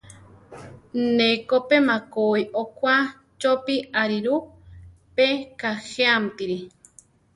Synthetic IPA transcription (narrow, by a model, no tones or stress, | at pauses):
nekopemakoiʔokwa | t͡ʃopiaɾiɾu | pekaheampiɾi